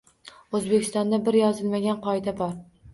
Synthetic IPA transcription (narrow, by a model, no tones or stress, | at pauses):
ɵzbekʲɪ̥st̪ɒnd̪abɪɾjɒzɪlmaɡʲanqʰɒjd̪abɒɾ